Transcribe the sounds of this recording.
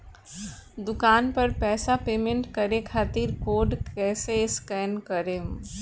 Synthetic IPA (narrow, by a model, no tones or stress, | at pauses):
d̪ʊkaːnpɐɾpɛːsapeːmẽɳʈkɐɾekʰaːt̪iɾkoːɖkɛːseɪskɛːnkɐɾe